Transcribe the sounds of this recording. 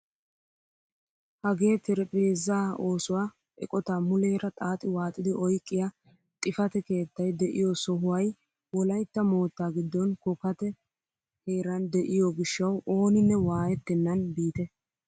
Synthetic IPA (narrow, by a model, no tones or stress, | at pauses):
hɐɡe̞ːt̪ɪɾɛpʼeːzːaːo̞ːsʊwaː | ʔɛ̰kʼɔt̪aːmʊleːɾɐt̪ʼaːt̪ʼɪwaːt̪ʼɪd̪ɪʔɔjkʼːɪja | t̪ʼɪfɐt̪ɛke̞ːt̪ːɐjd̪ɛʔɪ̰jɔsɔɦʊwɐj | wɔlɐjt̪ːɐmo̞ːt̪ːaːɡɪd̪ːɔnkɔkɐt̪ɛ | he̞ːɾɐnd̪ɛʔɪjɔɡɪʃːɐwʔoːnɪnːɛwaːjɛt̪ːɛnːɐnbiːt̪ɛ